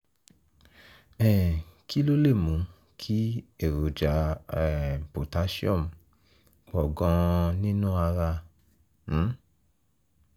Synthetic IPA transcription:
ɛ˨ki˦lo˦le˦˨mũ˨˦ | kʰi˦e˦˨ɾo˨d͡ʒa˨˦ɛ˨po˨ta˨˦ʃi˦ɔ̃˦˨m | k͡pɔ˨ɡɔ̃˧nĩ˦nũ˦a˧ɾã˧˨˦

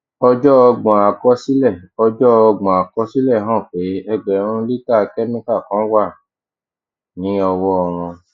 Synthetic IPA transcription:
ɔ˧d͡ʒɔ˦ɔ˧ɡ͡bɔ̃˨a˨kɔ˦si˦lɛ˦˨ɔ˧d͡ʒɔ˦ɔ˧ɡ͡bɔ̃˨a˨kɔ˦si˦lɛ˦˨ɦɔ̃˦˨k͡pe˨˦ɛ˧ɡ͡bɛ˨˦ɾ̃ũ˦li˦ta˦˨˧kɛ˦mĩ˦ka˦˨kɔ̃˨˦wa˦˨ | nĩ˨˦ɔ˧wɔ˦ɔ˧w̃ɔ̃˧

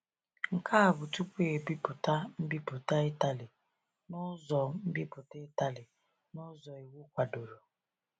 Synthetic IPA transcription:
ŋ̩˨kʰa˦a˨bʊ˨tu˦kʷe˦e˨bi˦pʊ˨ta˦m̩˦bi˦pʊ˨ta˦ɪ˦ta˨lɪ˨ | nʊ˦zɔ˨m̩˦bi˦pʊ˨te˦ta˨lɪ˨ | nʊ˦zɔ˨e˨wu˦kʷa˨do˨ɾo˨

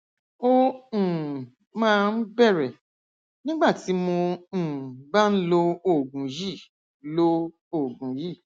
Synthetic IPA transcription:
õ˧˨ | mãː˦˧n̩˦bɛ˦˨ɾɛ˨ | nĩ˦ɡ͡ba˦˨ti˨˦mõ˧˨ | ba˦n̩˦lo˧o˦˨ɡũ˨ji˦˨ | lo˧ | o˨ɡũ˨ji˦˨

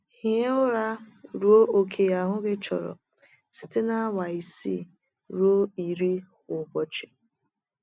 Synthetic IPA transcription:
hi˦e˦ʊ˦ɾa˦ɾu˦o˦ʔo˨kʰe˨ja˦˨ɦʊ˦ɡɪ˦t͡ʃɔ̰˨ɾɔ̰˨ | si̥˨te˦na˦wa˨i˨sḭ˦˨ | ɾu˦o˦i˨ɾi˦hʊ˨bɔ˨t͡ʃɪ˨

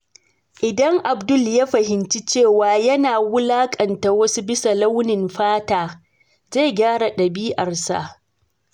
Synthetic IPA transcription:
ʔɪ˨dɐ˦ŋʔa˨bdʊ˦˨lja˦ɸɐ˨hɪ˨nt͡ʃi˦t͡ʃeː˦˨waː˨jɐ˦naː˨wʊ˦laː˦kʼɐ˨nta˨wɐ˦su˦bɪ˦sa˨la˦wnɪ˨mɸaː˦taː˨ | za˦˨jɡʲaː˦ɽa˨ɗɐ˨biː˦ʔɐ˨rsa̰˨ʔ

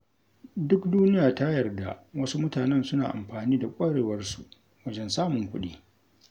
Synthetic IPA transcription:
dʊ˦kduː˦nɪ˦jaː˨ta˦jɐ˨rda̰˨wɐ˦su˦mʊ˦taː˨nɛ˦˨nsʊ˦na̰ː˨ʔa̰˨mɸaː˨niː˦da˨kʷʼaː˦ɽeː˨wɐ˦rsu˨ | wɐ˦d͡ʒɛ˦nsaː˦mʊ˨ŋkʷʊ˦ɗiː˦

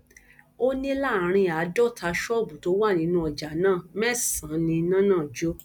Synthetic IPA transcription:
o˦nĩ˦la˦˨ɾ̃ĩ˧a˨˦dɔ˦˨tʰa˧ʃɔ˦˨bu˨to˨˦wa˦˨nĩ˧˦nũ˧˦ɔ˨d͡ʒa˨nãː˦˨mɛ˦˨sã˨˦nĩ˧nã˦nãː˦˨d͡ʒo˦

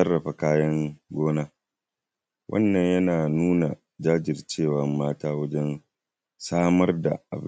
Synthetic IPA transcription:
ɐ˦rːɐ˨ɸa˨kaː˦jɐ˦ŋɡʷoː˦naː˦ | wʔɐ̰˦nːɐ˨ɲjɐ˦naː˨nuː˦na˨ | d͡ʒaː˦d͡ʒɪ˨rt͡ʃeː˦˨wɐ˦mːaː˦taː˦wɐ˦d͡ʒɛ˦n | saː˦mɐ˦rda̰˨ʔa̰˨b

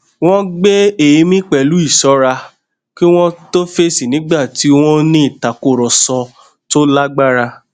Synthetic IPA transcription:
w̃ɔ̃˦ɡ͡be˦e˨ji˨˧mĩ˦k͡pɛ˧˨lu˨˦i˦˨sɔ˨˦ɾa˧ | ki˦w̃ɔ̃˦to˦fe˦si˨nĩ˨˦ɡ͡ba˦˨ti˨˦w̃ɔ̃˦nĩ˦i˦˨ta˨ko˦˨ɾɔ˨sɔ˧ | to˦la˦ɡ͡ba˦ɾa˧

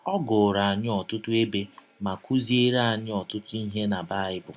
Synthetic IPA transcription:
ɔ˦ɡʊ˨ɾa˨a˨ɲɪ˦ɔ˨tʊ˦tʊ˦e˦be˦ | ma˨ku˦zi˦e˦ɾa˦a˨ɲɪ˦ɔ˨tʊ˦tʊ˦i˦ɦe˦na˨ba˦˨ɪ˦bʊ˨

